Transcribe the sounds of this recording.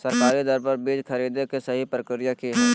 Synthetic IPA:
sɐɾkaːɾid̪ɔɾpɐɾbiːd͡ʒkʰɐɾiːd̪ekesɐɦipɾəkɾijakiɦɛː

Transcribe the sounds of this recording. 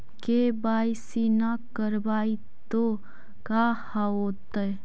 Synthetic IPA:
kebaːjsinakəɾbaːi | t̪o | kaːhaoːt̪ə

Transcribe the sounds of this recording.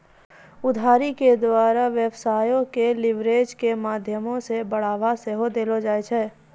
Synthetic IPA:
ʊd̪ʱaːɾiked̪waːɾaʋjəʋsaːjõkelɪʋɾeːd͡ʒkemaːd̪ʱjəmõsebəɽ̤aːʋaseɦod̪eːlod͡ʒaːet͡ʃʰɛː

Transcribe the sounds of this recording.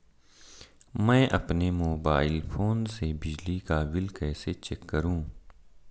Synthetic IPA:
mɛ̃ːʔɐpnemoːbaːɪlfʰoːnsebɪd͡ʒlikaʋɪlkɛːset͡ʃɛkːəɾũː

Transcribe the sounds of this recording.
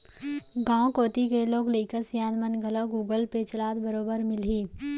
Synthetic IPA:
ɡãːkoːt̪ikeloːɡleːkəsjaːnmənɡʱəloɡuːɡəlpet͡ʃɐlaːd̪bəɾoːbəɾmɪlɦiː

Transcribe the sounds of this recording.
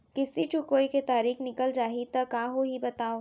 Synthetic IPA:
kɪsit͡ʃʊkoːiket̪aːɾiːxnɪkəld͡ʒaːɦit̪ɐkaːɦoɦibɐt̪aːo

